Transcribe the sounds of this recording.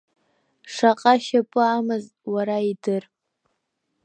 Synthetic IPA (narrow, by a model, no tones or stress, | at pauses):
ʂaqʼaʃapʼɨamɨz | waɾaidɨr